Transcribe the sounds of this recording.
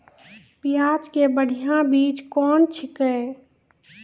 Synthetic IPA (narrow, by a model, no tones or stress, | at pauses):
pɪaːd͡ʒkebəɽ̤ijãbiːt͡ʃkɔːnt͡ʃʰɪkɛ